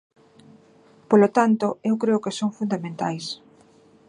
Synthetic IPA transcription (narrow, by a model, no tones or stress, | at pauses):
polot̪ant̪oewkɾeʊkesoŋfund̪amẽnt̪a̰js